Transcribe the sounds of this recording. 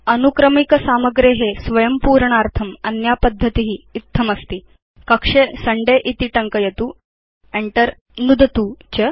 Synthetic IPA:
ɐnukɾəmikəsaməɡɾeɦesʋɐjəmpuːɾɳ̃aɾt̪ʰəmɐnjapəd̪ʱːət̪iɦiːt̪ʰːəmɐst̪iː | kəkʂesəɳɖeʔit̪iʈəŋkəjet̪uː | eɳʈəɾ | nud̪ʱət̪uːt͡ɕə

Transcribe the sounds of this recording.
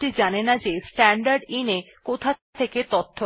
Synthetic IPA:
id͡ʑanenad͡ʑesʈɛɳɖaɾɖine | kot̪ʰat̪ʰeket̪ot̪ʰːo

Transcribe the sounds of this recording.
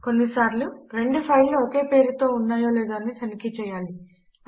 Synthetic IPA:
ko̞nːisaːɾluɾe̞ɳɖupʰɐjlnuoke̞ːpe̞ːɾut̪o̞ːunːaːjoːlɛːd̪oːɐnit͡ʃ̪ɐnikit͡ʃɛːjaːli

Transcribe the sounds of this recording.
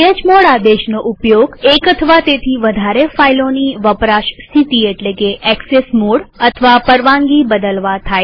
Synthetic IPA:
ed͡ʒmoɽad̪eʃnoʔupjoɡekət̪ʰəʋat̪et̪ʰiʋəd̪ʱaɾefailoniʋəpɾaʃsit̪ieʈlekeɛksesmoɽət̪ʰəʋapəɾʋãŋɡibəd̪əlʋat̪ʰaj

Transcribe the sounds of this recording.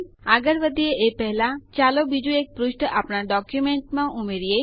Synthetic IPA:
aɡəɾʋəd̪ieʔepɛɦlat͡ʃalobid͡ʒuek̚pɾuʃʈəʔapnaɖɔkjumẽɳʈmãʔumeɾije

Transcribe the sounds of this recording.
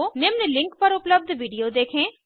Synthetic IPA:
neːmnelɪ̃ŋkpɐɾʊpləb̚d̪ʋiːɖijod̪eːkʰẽː

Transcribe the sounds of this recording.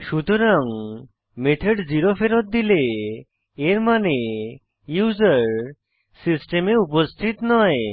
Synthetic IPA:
ʃut̪oɾaŋ | met̪ʰeɖd͡ʑiɾofʰeɾot̪̚d̪ileː | ɾmane | juzaɾ | sisʈemeupost̪ʰit̪nɔe

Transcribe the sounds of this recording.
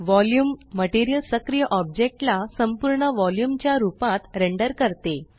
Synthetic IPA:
ʋɔljuːmːəʈiɾijəlsəkɾijəʔɔb̚d͡ʑek̚ʈlasəmpuɾɳəʋɔljumt͡ɕjaɾupãt̪ɾeɳɖəɾkəɾt̪e

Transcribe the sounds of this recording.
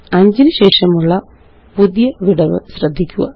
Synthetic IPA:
ɐɲd͡ʑinɨɕe̞ːʂɐmuɭːɐ | puðjɐʋiɽɐʋɨ̰ɕrɐd̪ʱːikʲːuɣɐ̰

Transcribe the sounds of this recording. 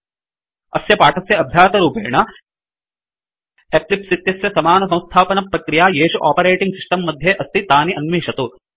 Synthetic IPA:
ɐ̰sjɐpaːʈɐsjɐɐbʱjaːt̪ɐɾuːpḛːɳɐ | ep̚lipsit̪jɐsjɐsɐmaːnɐsɐ̃w̃st̪ʰaːpɐnɐpɾɐkɾijaːjeːʃuʔa̰ːpɐɾeːʈiŋɡsiʂʈɐmːɐd̪ʱjeʔɐst̪it̪aːniʔɐnmiːʂɐt̪u

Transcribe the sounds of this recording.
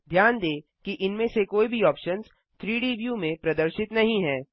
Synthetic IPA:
d̪ʱjaːnd̪eː | kiʔɪnmẽsekoːibʱiɔːpʃənz | t̪ʰɾiːɖiːʋjumẽpɾɐd̪əɾʃɪt̪nɐɦĩɦɛː

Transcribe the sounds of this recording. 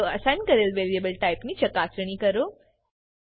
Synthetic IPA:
oɐsãnkɐɾelʋeliebəlʈaɪpnit͡ʃɐkaːsɾəɳ̃ikɐɾo

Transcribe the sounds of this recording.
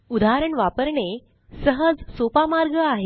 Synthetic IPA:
ud̪ʱaɾəɳʋapəɾɳe | səɦəd͡zsopamaɾɡəaɦe

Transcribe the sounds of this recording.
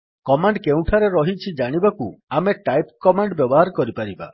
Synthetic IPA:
kɔmaɳɖkeũʈʰaɾeɾɔɦit͡ʃʰid͡ʒaɽ̃ibakuameʈajpkɔmaɳɖbjɔbɔɦaɾkɔɾipaɾiba̰

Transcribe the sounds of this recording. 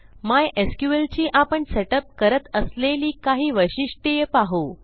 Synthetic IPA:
majʔeskjuʋelt͡ɕiːʔapəɳseʈəp̚kəɾət̪əsleliːkaɦiːʋəjɕiʂʈəjepaɦo

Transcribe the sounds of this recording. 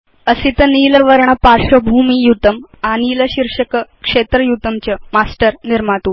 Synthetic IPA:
əsit̪əniləʋəɾɳ̃əpaɾʂəbʱumiːjut̪əmaniːləɕiɾʂəkəkʂet̪ɾəjut̪əmt͡ɕəmasʈəɾniɾmat̪u

